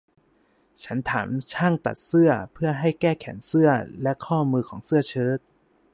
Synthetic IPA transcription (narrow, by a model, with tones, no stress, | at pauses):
t͡ɕʰa˦˥nt̪ʰa̰ː˩˦mt͡ɕʰaː˥˩ŋt̪a̰˨˩t̪̚sɯ˥˩ɐpʰɯ˥˩ɐɦa˥˩jkɛː˥˩kʰɛ̰˩˦ŋsɯ˥˩ɐlɛ˦˥kʰɔː˥˩mɯː˧kʰɔː˩˦ŋsɯ˥˩ɐt͡ɕʰɤː˦˥˩t̪̚